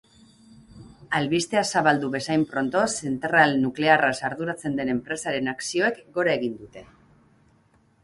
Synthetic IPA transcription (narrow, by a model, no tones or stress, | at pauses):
alβist̪e̞asaβald̪uβe̞sajmpɾo̞nt̪o̞se̞nt̪eralnukle̞arasaɾðuɾat͡se̞nd̪e̞ne̞mpɾe̞saɾe̞naksio̞e̞kɡo̞ɾae̞ɣ̞ind̪ut̪e̞